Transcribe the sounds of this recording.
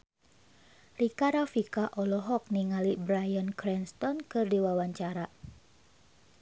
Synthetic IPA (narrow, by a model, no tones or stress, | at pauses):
rikaɾafikaʔɔlɔɦɔk̚niŋalibɾajankɾɛnst̪ɔnkɨrdiwawaɲt͡ʃaɾa